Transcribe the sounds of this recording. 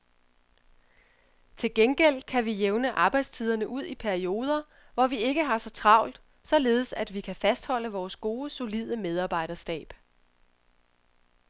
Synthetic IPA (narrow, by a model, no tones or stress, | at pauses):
t͡sʰe̝lɡ̥enɡ̥el̰kʰæʋijeʊnəʔɑ̈ːb̥ɑ̈ɪd̥st͡sʰið̞ˠɐnəʔuð̞̰ˠipʰæɐio̝ːð̞ˠɐ | ʋɒʋie̝ɡ̥əɦɑ̈sɒ̽t͡sʰʁɑ̈ʊ̰ld̥ | sɒ̽le̝ːð̞̩ˠsæd̥ʋikʰæfæsd̥hɒ̽l̰əʋɒːsɡ̥o̝ːso̝lið̞̰ˠəmeð̞ˠɑ̈ːb̥ɑ̈ɪ̰ɾ̥ɐsɡ̥ɛ̰ːb̥